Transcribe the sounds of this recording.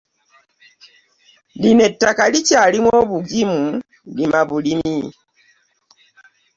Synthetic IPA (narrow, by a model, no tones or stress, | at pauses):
linetːakalicalimwoβuɡimu | limaβulimi